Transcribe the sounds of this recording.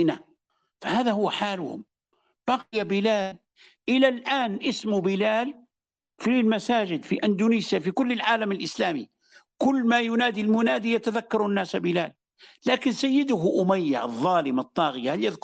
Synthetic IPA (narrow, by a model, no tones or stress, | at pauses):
na | fahaːðahʊwːħaːlʊhʊ̰m | b̥ɑqɪjabɪlaːl | ʔɪlalʔaːnʔɪsmʊbɪlaːl | filmasaːd͡ʒɪd̪fiʔand̪uniːsjafikʊlːɪlʕaːlamɪlʔɪslaːmi | kʊlːmajʊnaːd̪ilmʊnaːd̪ijat̪aðakːɑɾˤunːaːsabɪlaːl | laːkɪnsajːɪd̪ʊɦʔʊmajːa̰ʔɑðˤːɑːlɪmɨt̪ˤːɑːɣɪjahaljaðk